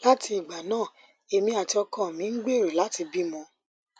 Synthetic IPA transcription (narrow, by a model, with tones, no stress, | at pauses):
la˦ti˧i˨ɡ͡ba˨nãː˦˨ | e˧mĩ˧˦a˨ti˧ɔ˧kɔ̃˦˨mĩ˨˦ɡ͡be˦˨ɾe˨la˨˦ti˧bi˦mɔ̃˧